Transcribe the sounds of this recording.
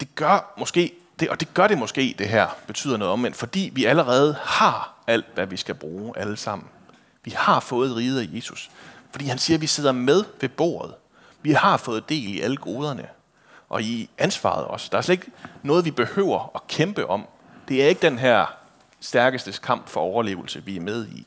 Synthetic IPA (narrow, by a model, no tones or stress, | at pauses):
d̥e̝ɡ̥ɶɐmɒ̽sɡ̥e̝̰ː | d̥e̝ʔɒ̽d̥e̝ɡ̥ɶɐɾ̥e̝mɒ̽sɡ̥e̝̰ːd̥e̝ɦæɐ̰b̥e̝t͡sʰy̰ð̰ˠɐno̽ːð̩ˠɒ̽mʋen̰fɒ̽d̥ḭːʋiæləʁɛːð̞̩ˠhɑ̈æl̰d̥ʋæʋisɡ̥æb̥ʁuːʔæləsɑ̈m̰n̩ | ʋihɑ̈fɔ̽ːð̞̩ˠʁiːð̞̩ˠæje̝ːsusfɒd̥ḭːhænsiːɐʋise̝ð̞̰ˠɐmeð̞ˠʋe̝b̥o̝̰ːɐð̞̩ˠ | ʋihɑ̈fɔ̽ːð̞̩ˠd̥e̝̰ːliʔæləɡ̥o̝ːð̞ˠɐnə | ʔɒ̽iænsʋɑ̰̈ð̞ˠɒ̽sd̥ɑ̈æɐsledeɡ̥nɔ̽ːð̞ˠʋib̥e̝hø̰ʊ̰ɐɒ̽kʰemb̥əʔɒ̽m̰ | d̥e̝æɐe̝ɡ̥əd̥enɦæɐ̰ | sd̥æɐɡ̥əsd̥əskʰɑ̈m̰b̥fɒ̽ɒʊɐle̝̰ːʊl̩səʋiæɐmeð̞ˠi